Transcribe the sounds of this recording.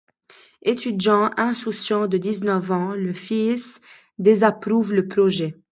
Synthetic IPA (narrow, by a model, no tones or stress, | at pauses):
et̪yd̪jɑ̃ʔɛ̃susjɑ̃d̪əd̪iznœvɑ̃ləfis | d̪ezapʁuvləpχɔʒɛ